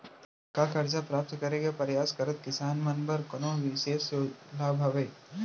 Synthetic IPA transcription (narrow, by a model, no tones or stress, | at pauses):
kakɐɾd͡ʒapɾaːp̚t̪kɐɾeɡapɐɾjaːskɐɾət̪̚kɪsaːnmɐnbəɾkɐnõʋɪʃeːssolaːbʱɐʋeː